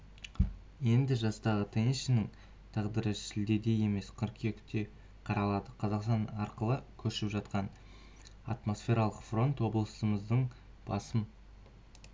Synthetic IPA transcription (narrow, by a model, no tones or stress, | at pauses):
je̞nd̪ɪʒɑst̪ɑʁət̪ʰenʃɪnɪŋ | t̪ʰɑʁd̪əɾəʃɪld̪e̞d̪e̞je̞me̞sqʰəɾkʲʰe̞kʲt̪e̞ | qʰɑɾɑlˠɑd̪əqʰɑzɑqst̪ɑnɑɾqəlˠəkʲʰɵɾʃɪpʒɑt̪qɑn | a̰t̪mo̞sfʲe̞ɾɑlˠəqfro̞nt̪wo̞blˠəsəməzd̪əɴ | b̥ɑsəm